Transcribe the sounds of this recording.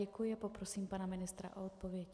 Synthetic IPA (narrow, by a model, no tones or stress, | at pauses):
ɛkujɛpɔpɾɔsiːmpaːnaminist̪ɾa̰ʔɔɔt̪̚pɔʋɪɛ